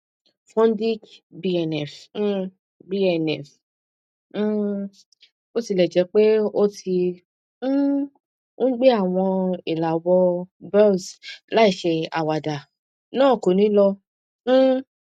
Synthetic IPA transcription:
fɔ̃˦n˦di˦kbi˧ɛ˧nɛ˨f̩˦ | bi˦ɛ˧nɛ˨f̩˦˧ | o˦ti˧lɛ˨d͡ʒɛ˨˧˦k͡pe˦o˦ti˧˦ | o˦ɡ͡be˦a˦˨w̃ɔ̃˧i˨la˨wɔ˧bɛ˦˨sla˦i˦˨ʃe˧a̰˨wa˨da˨ | nãː˦˨ko˨nĩ˨˦lɔ̃˧˦

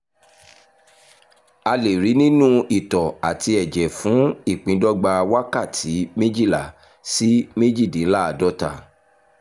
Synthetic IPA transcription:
a˧le˨ɾi˨˦nĩ˦nũ˦i˦˨tɔ˨a˨ti˧ɛ˨d͡ʒɛ˨fũ˨˦i˦˨k͡pĩ˨˦dɔ˦ɡ͡ba˧wa˦ka˦˨tʰi˨˦mẽ˦d͡ʒi˦˨la˨ | si˦mẽ˦d͡ʒi˦˨dĩ˨˦la˦a˨dɔ˦ta̰˦˨

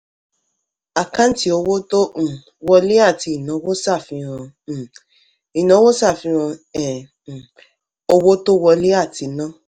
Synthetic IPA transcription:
a˨kã˦n̩˦ti˦o˧wo˦tõ˦˨ | wɔ˧le˦a˦˨ti˧i˨nã˨˦wo˦sa˦˨fĩ˧ɾ̃ã˧˨ | i˨nã˨˦wo˦sa˦˨fĩ˧ɾ̃ã˧ɛ˨ | o˧wo˦to˦wɔ˧le˦a˦˨tʰi˧nã˦

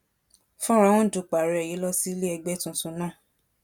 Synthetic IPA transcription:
fũ˦ɾ̃ã˧˦wũ˦˨du˨k͡pa˨ɾɛ˨ji˨˦lɔ˦si˦li˦ɛ˧ɡ͡bɛ˦tũ˧sũ˨˦nãː˦˨

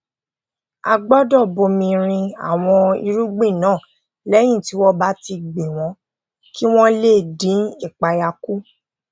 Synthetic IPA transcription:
a̰˧ɡ͡bɔ˦dɔ˦˨bo˧mĩ˧ɾ̃ĩ˧a̰˨w̃ɔ̃˧ḭ˧ɾu˦ɡ͡be˦˨nãː˨˦˨ | lɛ˦j̃ĩ˦˨ti˨˦wɔ˦ba˦ti˧ɡ͡bĩ˨w̃ɔ̃˨˦ | ki˦w̃ɔ̃˦le˦˨dĩ˨˦i˦˨k͡pa˧ja˧ku˦

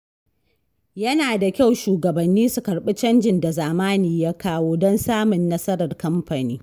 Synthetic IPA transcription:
jɐ˦naː˨da˨kʲa˦˨wʃuː˨ɡɐ˨bɐ˨nːiː˦su˨kɐ˨ɽɓɪ˦t͡ʃɐ˦nd͡ʒɪ˨nda˨zaː˨maː˦niː˨jaː˦kaː˦woː˦dɔ˦nsaː˦mʊ˨nːɐ˦sɐ˦ɾɐ˨rkɐ˦mɸa˨niː˦

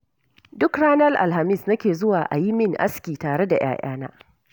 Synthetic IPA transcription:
dʊ˦kɽaː˦nɐ˦lʔa̰˨lha˨mɪ˦˨snɐ˦kʲeː˨zʊ˦waː˨ʔa̰˨ji˦mɪ˦ŋʔa̰˦skʲiː˨taː˨ɽe˦da˨j̰a̰ː˦ʔa̰ː˦na̰ː˦

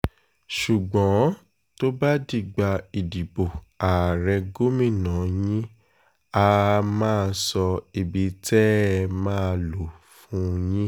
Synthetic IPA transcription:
ʃu˨ɡ͡bɔ̃˨˦ | to˦ba˦di˦˨ɡ͡ba˧i˨di˨bo˨ | a˨ɾɛ˧ɡo˦mĩ˦˨nã˨˦jĩ˦ | a˧mãː˦˧sɔ˧i˨bi˨tɛ˦˧mãː˦˧lo˨ | fũ˦˧jĩ˦

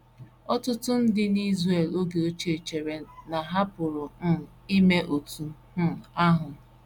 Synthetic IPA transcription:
ɔ˦tʊ˦tʊ˦n̩˦dɪ˦ni˦zre˨lo˦ɡe˨o˦t͡ʃe˨t͡ʃe˨ɾe˨na˨ɦa˦pʊ˨ɾʊ˨˦˨i˦me˦ʔo˨tu˨˦˨ | a˦ɦʊ˨

